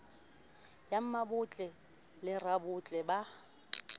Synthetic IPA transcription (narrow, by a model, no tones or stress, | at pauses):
jam̩mabʊt͡ɬʼɛ | lɪrabʊt͡ɬʼɛba